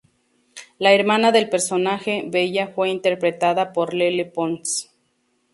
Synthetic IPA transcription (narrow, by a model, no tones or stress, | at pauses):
laeɾmanaðelpeɾsonaxeβeʝafweint̪eɾpɾet̪aðapoɾlelepons